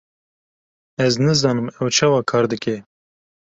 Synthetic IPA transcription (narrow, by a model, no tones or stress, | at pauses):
ɛznɨzɑːnɨmɛwt͡ʃʰɑːwɑːkʰɑːɾd̪ɨkɛ